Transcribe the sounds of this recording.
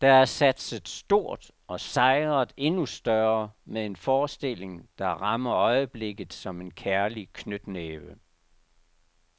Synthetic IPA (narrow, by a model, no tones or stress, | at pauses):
d̥ɑ̈æɐsæd̥səð̩ˠsd̥o̝ɐ̰d̥ | ɒ̽sɑ̈ɪʁɐð̩ˠe̝nusd̥ɶɐmee̝nfɒːsd̥e̝l̰e̝ŋd̥ɑ̈ʁɑ̈mɐɒ̽ɪəb̥le̝ɡ̥ð̩ˠsɒ̽me̝nkʰæɐlikʰnød̥neːʋə